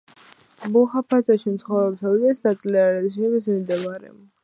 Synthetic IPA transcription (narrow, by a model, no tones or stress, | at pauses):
buχapʰazaʃimt̪sχɔvɾɛb̚t̪ʰavid̪ɛsnat̪sʼliaɾɛʃ̬imis̬mimd̪ɛbaɾɛ̰